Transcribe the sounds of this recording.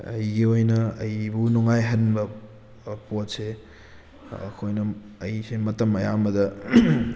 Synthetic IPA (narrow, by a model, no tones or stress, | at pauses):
ɐ̰jɡiojnɐɐjbunuŋajɦɐnbɐ | pot̚se | ɐ̰kʰojnɐː | jsemɐtɐmɐja̰mɐdɐ